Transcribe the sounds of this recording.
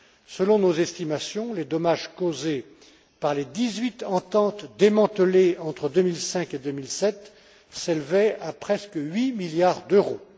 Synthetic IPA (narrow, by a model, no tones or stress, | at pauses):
səlɔ̃nozɛst̪imasjɔ̃led̪ɔmaʒkoze | paʁled̪izɥit̪ɑ̃t̪ɑ̃t̪d̪emɑ̃t̪əleɑ̃t̪χəd̪ømilsɛ̃ked̪ømilsɛt̪ | selvɛapχɛskəɥimiljaʁd̪øʁo